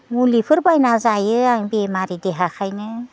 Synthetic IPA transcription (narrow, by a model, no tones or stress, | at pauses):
mulipʰɯɾbajnazajɯaŋbemaɾideɦakʰajnɯ